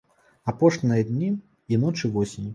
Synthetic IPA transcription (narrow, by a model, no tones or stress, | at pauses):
apɔʂnʲɨjɐd̪ʲnʲi | inɔt͡ʂɨvɔsʲinʲ